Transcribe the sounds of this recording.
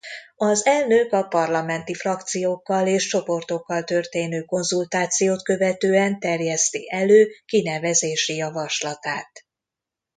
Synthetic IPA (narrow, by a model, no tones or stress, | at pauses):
ɒzɛlnøkɒpɒrlɒmɛnt̪ifrɒkt̪sijoːkːɒleːʃt͡ʃo̞po̞rt̪o̞kːɒlt̪ø̞rt̪eːnøːko̞nzult̪aːt̪sijoːt̪kø̞vɛt̪øːɛnt̪ɛrjɛst̪iʔɛløːkinɛvɛzeːʃijɒvɒʃlɒt̪aːt̪